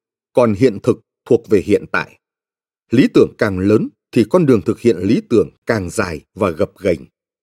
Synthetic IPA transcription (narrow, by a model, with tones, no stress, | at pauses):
kɔ˨˩nɦḭ˧˨ənt̪ʰɨ˨˩k̚t̪ʰu˨˩ək̚ve˨˩ɦḭ˧˨ənt̪a̰ː˧˨j | li˨˦t̪ɨ˧˩əŋkaː˨˩ŋləː˨˦nt̪ʰi˨˩kɔ˧nɗɨ˨˩əŋt̪ʰɨ˨˩k̚hḭ˧˨ənli˨˦t̪ɨ˧˩əŋkaː˨˩ŋzaː˨˩jvaː˨˩ɣə˨˩p̚ɣa˨˩jŋ̟